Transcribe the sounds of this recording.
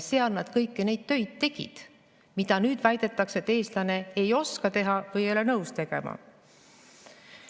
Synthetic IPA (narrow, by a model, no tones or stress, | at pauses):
seɑlnɑd̪̥kɤjkːene̞jd̪̥t̪ø̞jd̪̥̚t̪e̞ɡ̥ḭd̪̥ | mid̪̥ɑnyːd̪̥væjd̪e̞t̪ːˑɑkse̞t̪ːe̞ːslɑne̞ejo̞skɑt̪e̞ɦɑvɤjejolenɤwst̪e̞ɡ̥e̞̰mɑ̰